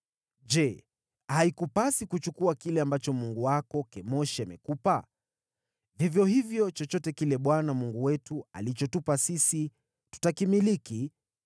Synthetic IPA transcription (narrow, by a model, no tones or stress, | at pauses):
d͡ʒɛ | haikupasikut͡ʃukuakilɛambat͡ʃɔmuŋɡuwakɔkɛmɔʃiamɛkupa | vivjɔhivjɔt͡ʃɔt͡ʃɔtɛkilɛɓwanamuŋɡuwɛtua̰lit͡ʃɔtupasisi | tu̥takimiliki